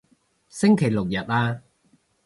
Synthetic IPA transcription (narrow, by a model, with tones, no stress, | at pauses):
sɪ˥ŋkʰe˨˩jlʊ˨k̚jɐ˨t̚aː˧